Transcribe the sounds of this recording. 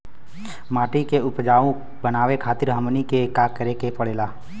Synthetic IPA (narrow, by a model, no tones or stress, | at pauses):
maːʈikeʊpd͡ʒaːʋõ | bənaːʋekʰaːt̪ɪɾɦəmnikekaːkəɾekepəɽeːlaː